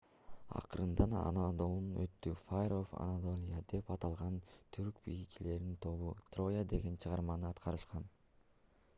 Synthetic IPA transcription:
ɑ̰qɯɾɯnd̪ɑnɑ̰nad̪olˠunøt̪ːyfajrofa̰nat̪o̞lʲijad̪e̞pɑt̪ɑlˠʁɑnt̪ʰyɾkbijit͡ʃile̞ɾnint̪ʰo̞βut̪ro̞jad̪e̞ɡe̞nt͡ʃʰɯʁɑɾmɑnɯɑt̪qʰɑɾɯʃqɑn

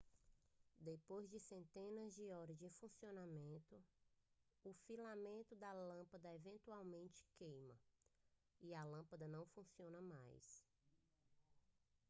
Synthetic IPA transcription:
d̪epojzd͡ʒɪsẽnt̪ẽnɐzd͡ʒɪɔɾɐzd͡ʒifũsionamẽnt̪ʊ | ʊfilamẽnt̪ʊd̪ɐlɐ̃pɐd̪ɐevẽnt̪uawmẽnt͡ʃɪ̥kejmɐ | iɐlɐ̃pɐd̪ɐnɐ̃w̃fũsiõnɐmajs

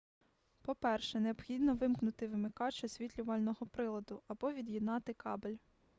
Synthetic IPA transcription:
pɔpɛrʃɛneɔb̥xʲid̪nɔʋɪmknʊt̪ɪʋɪmɪkɑt͡ʃɔsʲʋʲit̪ʲlʲʊʋɐlʲnɔɦɔpɾɪlˠɐd̪ʊɐbɔʋʲid̪jid̪nɑt̪ɪkɑbelʲ

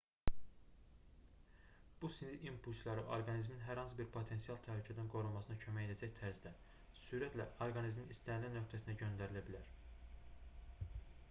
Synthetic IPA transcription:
b̥usind̪iʔimpʰulʲslˠɑɾɯʔoɾɡɑnizminɦæɾhɑnsɯbiɾpʰot̪ʰe̞nsijɑlˠt̪ʰæhlycʰæd̪ænɡo̞ɾulˠmɑsɯnɑcʰømæjed̪æd͡ʒæçt̪ʰæɾzd̪æ | syːɾæt̪ʰlæ̰oɾɡɑnizminist̪ænlinøkt̪ʰæsind̪æɟø̞nd̪æɾilæbilæɾ

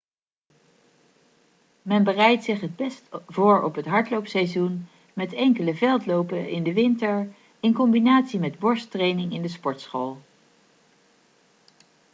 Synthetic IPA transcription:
mɛnbərɛjtsɪχɦəd̚bɛstv̥ʊːɹɔ̰pɦətɦɑɹtlowpsɛjzun | mɛtɛŋkələvɛlˠtlowpəɪndəʋɪntəɹ | ɪnkɔmbinaːtsimɛdbɔɹstrejnɪŋɪndəspɔɹtsχoːlˠ

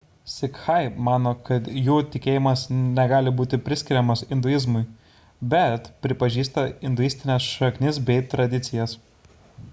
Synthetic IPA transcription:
sʲɪkxɐɪmɑːnoːkɐt̪juːt̪ʲɪkʲeːjɪmɐsnʲɛɡɑːlʲɪbuːt̪ʲɪpʲɾʲɪsʲkʲɪɾʲɛmɐsɪnd̪ʊɪzmʊɪ | bʲɛt̪pʲɾʲɪpɐʒʲiːst̪ɐɪnd̪ʊjɪsʲt̪ʲɪnʲɛsʃɐknʲɪsbʲɛɪt̪ɾɐd̪ʲɪt̪sʲɪjɛs

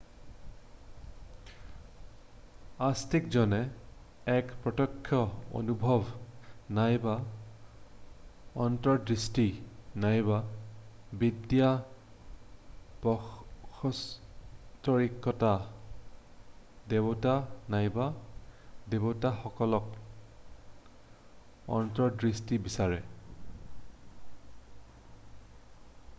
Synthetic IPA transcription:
astikzɔnɛ | ɛkpɹɔtɔkʰːjɔo̰nubʱɔbnajba | ɔntɔdɹistinajba | bidja | pɔxɔs | tɔɹikʰːɔta | debɔtanajba | debɔtaxɔkɔlɔk̚ | ɔ̰ntɔdɹistibisaɹɛ

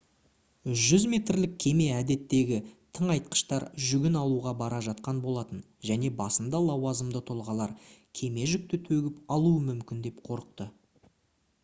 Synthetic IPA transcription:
ʒʏzme̞t̪ɾlɪk̚ʲʰe̞me̞æd̪e̞t̪ːe̞ɡʲɪt̪ʰəɴɑjt̪̚qə̥ʃt̪ɑɾʒʏɡʲɪnɑlˠuʁɑbɑɾɑʒɑt̪̚qɑnbo̞lˠɑt̪ən | ʒæne̞bɑsənd̪ɑlˠɑwɑzəmd̪ət̪ʰolˠʁɑlˠɑɾkʲʰe̞me̞ʒʏk̚t̪ɪt̪ʰɵɡʲɪpɑlˠuəmʏmkʲɪnd̪e̞pqʰo̞ɾəq̚t̪ə

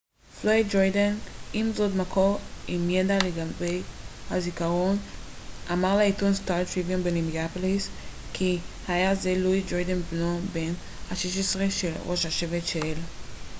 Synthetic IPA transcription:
floidd͡ʒojdanimzodmakʰoimjedaleɡambejhazikaʁo̞n | ʔamaʁlaitunstalt̪iviumbenimiapolis | kʰihajazeluid͡ʒojdanbnoben | haʃeʃ̬esʁeʃelʁo̞ʃhaʃevetʃel

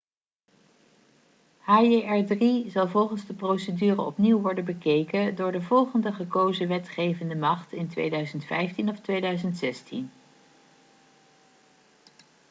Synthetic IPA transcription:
haːeɛɹdrizɑlˠvɔlˠχənzdəprowsədyːrəɔpniwʋɔɹdənbəkejkədʊːɹdəvɔlˠχəndəχəkowzəʋɛtχejvəndəmɑχtɪntʋḛjdœɥzəntfɛjftinɔftʋejdœɥzəntsɛstʰḭn

